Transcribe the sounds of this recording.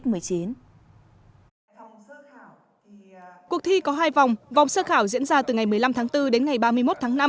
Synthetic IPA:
t̚mɨ˨˩əjt͡ɕi˨˦n | ku˨˩ək̚t̪ʰi˧kɔ˨˦ɦaː˧jva˨˩wŋ͡mva˨˩wŋ͡msəː˧xaː˧˩wzḭ˧˥ənzaː˧t̪ɨ˨˩ŋa˨˩jmɨ˨˩əjla˧mt̪ʰaː˨˦ŋt̪ɨ˧ɗe˨˦nŋa˨˩jɓaː˧mɨ˧əjmo˦˥t̚t̪ʰːŋna˧m

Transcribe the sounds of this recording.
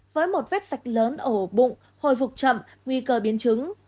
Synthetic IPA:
vəː˨˦jmo˨˩t̚vɛ˦˥t̚sa˨˩jk̟̚ləː˨˦nʔəː˧˩˨ɓʊ̰˧˨ŋ͡m | ho̰˧˨jfʊ˨˩k͡p̚t͡ɕə̰˧˨m | ŋwi˧kəː˧ɓi˨˦ənt͡ɕɨ˨˦ŋ

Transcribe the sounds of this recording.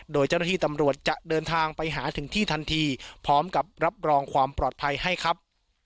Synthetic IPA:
doː˧jt͡ɕa˥˩na˥˩iː˥˩t̪a˧mɾu˨˩ət̪̚t͡ɕa˨˩ʔdɤː˧nt̪ʰaː˧ŋpa˧jɦaː˩˦t̪ʰɯ˩˦ŋt̪ʰiː˥˩t̪ʰa˧nt̪ʰiː˧pʰɔː˦˥mka˨˩p̚ɾa˦˥p̚ɾɔː˧ŋkʰwaː˧mpɾɔː˨˩t̪̚pʰa˧jha˥˩jkʰa˦˥p̚

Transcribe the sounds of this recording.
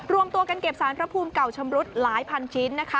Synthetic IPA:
ɾu˧əmt̪u˧ɐka˧nke˨˩p̚saː˩˦npʰɾa˦˥pʰuː˧mka˨˩wt͡ɕʰa˧mɾu˦˥t̪̚laː˩˦jpʰa˧nt͡ɕʰi˦˥nːa˦˥kʰa˦˥

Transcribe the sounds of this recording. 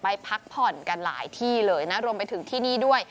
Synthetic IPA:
pa˧jpʰa˦˥k̚pʰɔ˨˩nka˧nla̰ː˩˦jt̪ʰiː˥˩lɤː˧jna˦˥ɾu˧əmpa˧jt̪ʰɯ˩˦ŋt̪ʰiː˥˩niː˥˩du˥˩əj

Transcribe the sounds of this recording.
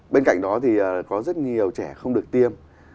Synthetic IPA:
ɓe˧nka̰˧˨jŋ̟ɗɔ˨˦t̪ʰi˨˩ʔəː˨˩kɔ˨˦zə˦˥t̚ɲi˨˩əwt͡ɕɛː˧˩xə˧wŋ͡mɗɨ˨˩ək̚t̪i˧əm

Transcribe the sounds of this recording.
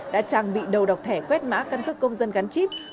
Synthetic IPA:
ɗa̰ː˧˥t͡ɕaː˨˩ŋɓḭ˧˨ɗə˨˩wɗa˨˩wk͡p̚t̪ʰɛ˧˩kwɛ˦˥t̚ma̰ː˧˥kə˧nkɨ˦˥kːə˧wŋ͡mzə˧nɣa˨˦nt͡ɕi˦˥p̚

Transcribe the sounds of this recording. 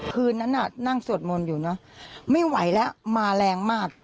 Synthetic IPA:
kʰɯː˧nːa˦˥nʔa˨˩na˥˩ŋsu˨˩ət̪̚mo˧njuː˨˩nɔ˦˥ma˥˩jwa˩˦jlɛ˦˥maː˧lɛː˧ŋmaː˥˩k̚

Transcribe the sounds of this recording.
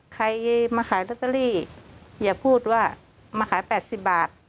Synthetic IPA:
kʰa˧jmaː˧kʰaː˨˩˦la˧˩t̪a˧liː˥˩jaː˨˩pʰuː˥˩t̪̚waː˧˥˩ | maː˧kʰaː˨˩˦pɛː˨˩t̪̚si˨˩p̚baː˨˩t̪̚

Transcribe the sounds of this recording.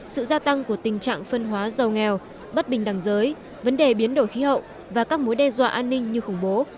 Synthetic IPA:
sɨ̰˧˨zaː˧t̪a˧ŋku˧˩ət̪ï˨˩ŋ̟t͡ɕa̰ː˧˨ŋfə˧nɦwaː˨˦zə˨˩wŋɛ˨˩w | ɓə˦˥t̚ɓï˨˩ŋ̟ɗa˧˩ŋzəː˨˦j | və˨˦nɗe˨˩ɓi˨˦ənɗo̰˧˩jxi˨˦ɦə̰˧˨w | vaː˨˩kaː˦˥k̚mo˨˦jɗɛ˧zwa̰ː˧˨ʔaː˧nːï˧ŋ̟ɲɨ˧xʊ˧˩ŋ͡mɓo˨˦

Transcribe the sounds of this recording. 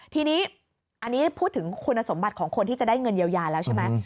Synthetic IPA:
t̪ʰiː˧niː˦˥ | ʔa˧nːiː˦˥pʰuː˥˩t̪ʰːɯ˩˦ŋkʰu˧nːa˧so˩˦mba˨˩t̪̚kʰɔː˩˦ŋkʰo˧nt̪ʰiː˥˩t͡ɕa˨˩daː˥˩jŋɤ˧nji˧wjaː˧lɛː˦˥wt͡ɕʰe˥˩ma˦˥

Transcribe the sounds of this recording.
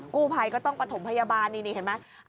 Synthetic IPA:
kuː˥˩pʰa˧jkɔː˥˩t̪ɔ˥˩ŋpɾa˧t̪ʰo˩˦mpʰa˧jaː˧baː˧nːiː˧niː˧˩he˨˦ma˦˥

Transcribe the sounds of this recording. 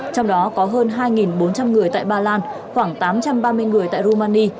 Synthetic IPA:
t͡ɕɔ˧wŋ͡mɗɔ˨˦kɔ˨˦ɦəː˧nɦaː˧jŋi˨˩nɓo˨˦nt͡ɕa˧mŋɨ˨˩əjt̪a̰ː˧˨jɓaː˧laː˧n | xwaː˧˩ŋt̪aː˨˦mt͡ɕa˧mɓaː˧mɨ˧əjŋɨ˨˩əjt̪a̰ː˧˨zo˧maː˧ni˧

